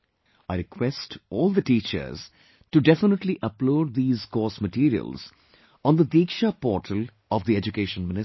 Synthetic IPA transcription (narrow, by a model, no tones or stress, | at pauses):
aɪɾɪkʰwɛsʈɔːlˠd̪əʈiːt͡ʃə̰ɾz̥ | ʈuɖɛfɪnəʈliʔəploːɖ̚d̪iːzkɔːsməʈiːɾiə̰lz̥ | ɔ̃ːnd̪əd̪iːkʃapɔːɾʈʰəl | ɔʋd̪iɛd͡ʒukeːʃə̃nmɪ̃nɪ